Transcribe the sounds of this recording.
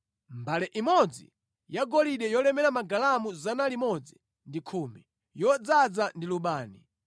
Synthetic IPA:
mbalɛʔimɔd͡zḭ | jaɡɔliɗɛjɔlɛmɛɾamaɡalamuzanalimɔd͡zi | ndikʰuːmi | jɔd͡zad͡zandiluɓaːni

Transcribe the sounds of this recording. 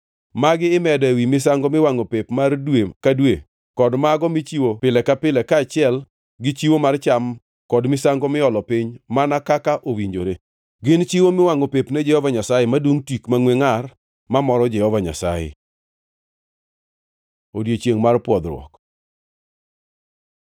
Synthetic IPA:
maɡɪːmɛdɛewimɪsaŋɡɔmɪwaŋopepmardwekadwe | kɔdmaɡɔmɪt͡ʃiwopɪlɛkapɪlɛkat͡ʃɪɛl | ɡɪt͡ʃiwomart͡ʃam | kɔdmɪsaŋɡɔmɪɔlɔpɪɲmanakakaʔowiɲd͡ʒoɾe | ɡɪnt͡ʃiwomɪwaŋopepnɛd͡ʒɛhɔvaɲasajɛmadwoŋtikmaŋweŋar | mamɔɾɔd͡ʒɛhɔvaɲa̰sa̰jɛ̰ | odjet͡ʃjeŋmarpwɔd̪ɾwɔ̰k

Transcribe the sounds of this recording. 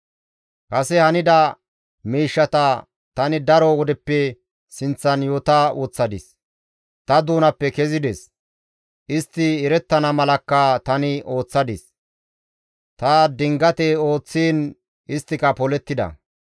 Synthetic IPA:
kɐsɛhɐnɪd̪ɐ | miːʃːɐt̪ɐ | t̪ɐnɪd̪ɐɾɔwɔd̪ɛpːɛ | sɪnt͡sːɐnjoːt̪auːt͡sːɐd̪ɪs | t̪ɐd̪uːnɐpːɛkɛzɪd̪ɛs | ʔɪst̪ːɪːɾɛt̪ːɐnɐmɐlɐkːɐt̪ɐnɪʔo̞ːt͡sːɐd̪ɪs | t̪ɐd̪ɪŋɡɐt̪ɛo̞ːt͡sːiːn | ʔɪst̪ːɪkɐpɔlɛt̪ːɪd̪ɐ̰

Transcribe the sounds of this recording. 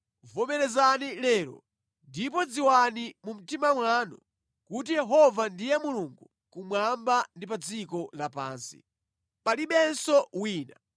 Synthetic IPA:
vɔmɛɾɛzanilɛːɾɔ̰ | ndip̬ɔd͡ziwanimum̩timamwanɔ | kut̬ijɛɦɔvandijɛmuluŋɡu | kumwambandipad͡zikɔlapa̰ːnsḭ | paliɓɛnsɔwiːna

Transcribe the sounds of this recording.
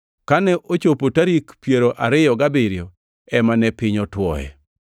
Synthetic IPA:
kanɛʔot͡ʃopotaɾikpjeɾoʔaɾɪjɔɡabɪɾjɔ | ɛmanɛpɪɲɔtwɔ̰ɛ̰

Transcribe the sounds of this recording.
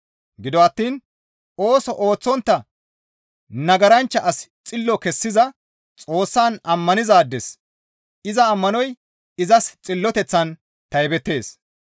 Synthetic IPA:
ɡɪd̪ɔɐt̪ːiːn | o̞ːsɔʔo̞ːt͡sːɔnt̪ːɐ | nɐɡɐɾɐnt͡ʃːɐʔɐst͡sʼɪlːɔkɛsːɪzɐ | t͡sʼo̞ːsːaːnɐmːɐnɪzaːd̪ːɛs | ɪzɐːmːɐnɔj | ɪzɐst͡sʼɪlːɔt̪ɛt͡sːɐn | t̪ɐjbɛt̪ːe̞ːs

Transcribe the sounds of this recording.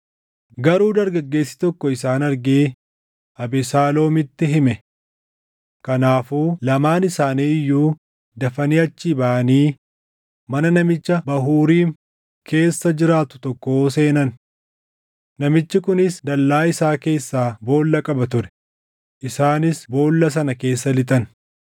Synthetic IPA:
ɡɐɾuːd̪ɐɾɡɐɡːe̞ːsːɪ̥t̪ɔkːɔɪsaːnɐɾɡeː | ʔɐbɪsaːlo̞ːmɪt̪ːɪɦɪmɛ | kɐnaːfuːlɐmaːnɪsaːniːɪjːuː | d̪ɐfɐniːɐt͡ʃːiːbɐʔɐniː | mɐnɐnɐmɪt͡ʃːɐbɐɦuːɾiːn | kʰe̞ːsːɐd͡ʒɪɾaːt̪ʊ̥t̪ɔkːo̞ːse̞ːnɐn | nɐmɪt͡ʃːɪkʊnɪsd̪ɐlːaːɪsaːke̞ːsːaːbo̞ːlːɐkʼɐbɐt̪ʊɾɛ̥ | ʔɪsaːnɪsbo̞ːlːɐs̬ɐnɐke̞ːsːɐlɪt̪ʼɐn

